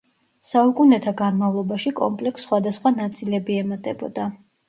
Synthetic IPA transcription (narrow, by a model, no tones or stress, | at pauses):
saukʼunɛt̪ʰaɡanmavlˠɔbaʃikʼɔ̰mpʼlɛksːχwad̪asχwanat̪sʼilɛbiɛmat̪ʼɛbɔ̰d̪a